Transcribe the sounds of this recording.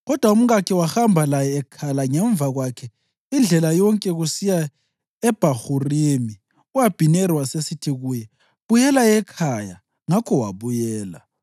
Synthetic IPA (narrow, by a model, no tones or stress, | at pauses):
ɣɔd̥ʱwaum̩ɣakʰiwaxambʱalajɛːkʰalaŋɛɱvaɣwakʰɛ | ind͡ɮʱɛlajɔŋkʼɛɣusija | ɛb̥ʱahurimi | uwab̥ʱinɛɾiwasesitʰiɣuːjɛ | βujɛlajɛkʰaja | ŋakʰɔwa̰βujɛːla̰